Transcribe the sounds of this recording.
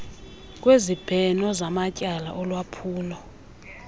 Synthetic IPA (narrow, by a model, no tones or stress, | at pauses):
kʼwezib̥ʱɛnɔzamacʼala̰ʔɔlwapʰuːlɔ